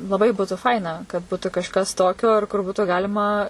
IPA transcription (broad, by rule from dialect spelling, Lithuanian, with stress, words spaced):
lˠɐˈbɐɪ ˈbuːtʊ ˈfɐɪnɐ kɐt ˈbuːtʊ kɐʃˈkɐs ˈtoːkʲoː ɐr kʊr ˈbuːtuː ˈɡɑːlʲɪmɐ